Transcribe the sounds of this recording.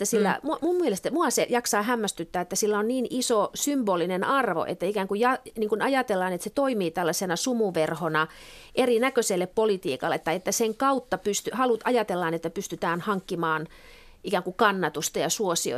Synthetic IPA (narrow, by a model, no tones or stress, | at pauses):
et̪ːæsilːæ̰mmummielest̪æmuɑsejɑksɑːhæmːæst̪yt̪ːæːet̪ːæsilːæonniːnisosymboːlinenɑrʋo̰ʔḛt̪ːæikæːŋkujɑniːŋkunɑjɑt̪elːɑːnet̪set̪oimiːt̪ælːɑsenɑsumuʋerhonɑ | ʔerinækøselːeppolit̪ḭːkɑ̰lːˑet̪ːɑiet̪ːæseŋkɑut̪ːɑpyst̪yhɑlut̪ɑjɑt̪elːɑːnet̪ːæpyst̪yt̪æːnhɑŋkːimɑːn | ikæːŋkukɑnːɑt̪ust̪ɑjɑsuosio̰